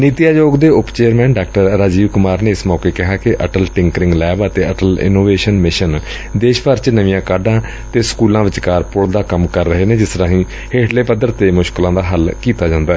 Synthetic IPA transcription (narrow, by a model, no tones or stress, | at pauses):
niːt̪ijaːjoːɡd̪eːʊpt͡ʃeːəɾmɛ̃ːnɖaːk̚ʈəɾːaːd͡ʒiːʋkʊmaːɾneːɪsmɔːkeːkɪɦaːkɪʔəʈəlʈɪ̃ŋkɾɪ̃ŋɡlɛːbət̪eːəʈəlɪ̰noːʋeːʃənmɪʃən | d̪eːʃpəɾt͡ʃnəʋijãːkaːɖãː | t̪eːsə̥kuːlãːʋɪt͡ʃkaːɾpʊɽd̪aːkəmkəɾːəɦeːneːd͡ʒɪsɾãːɦĩː | heːʈʰleːpəd̪əɾt̪eːmʊʃklãːd̪aːɦəlkiːt̪aːd͡ʒãːnd̪aːɛ